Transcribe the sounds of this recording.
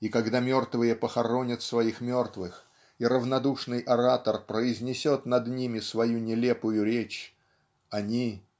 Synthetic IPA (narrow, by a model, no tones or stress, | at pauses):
ikɐɡd̪amʲo̞rt̪vɨjəpəxɐɾo̞nʲɪt̪svɐixmʲo̞rt̪vɨx | iɾəvnɐd̪uʂnɨjʔɐɾat̪ərpɾəɪzʲnʲɪsʲo̞t̪nɐd̪nʲimʲɪsvɐjunʲɪlʲepʊjʊɾʲet͡ɕ | ɐnʲi